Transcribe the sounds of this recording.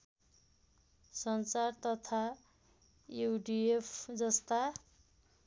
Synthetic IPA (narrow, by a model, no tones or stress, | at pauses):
sʌnt͡sart̪ʌt̪ʰa | ewɖiepʰd͡zʌst̪a